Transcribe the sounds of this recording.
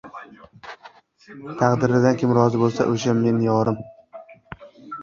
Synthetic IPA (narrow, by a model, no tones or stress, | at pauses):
t̪ʰɑqd̪ɪɾɪd̪ankʲʰɪmɾɒzɪbolˠsa̰ʔoʃamːe̞njɒɾɪm